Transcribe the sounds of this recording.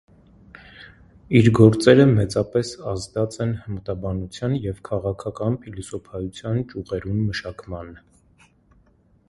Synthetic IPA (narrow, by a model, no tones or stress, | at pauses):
iɾɡɔɾt͡sɛɾəmɛt͡sɑpɛsɑzd̪ɑt͡sɛnhəmət̪ɑbɑnut͡sʰjɑnjɛvkʰɑʁɑkʰɑkɑnpʰilɔsɔpʰɑjut͡sʰjɑnt͡ʃuʁɛɾumːəʃɑkmɑn